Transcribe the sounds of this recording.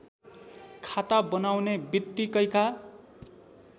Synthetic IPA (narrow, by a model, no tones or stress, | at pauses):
kʰat̪abʌnawnebit̪ːikʌjka